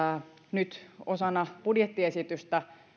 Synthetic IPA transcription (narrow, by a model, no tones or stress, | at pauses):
nyt̪osɑnːɑpudjet̪ːiesit̪yst̪æ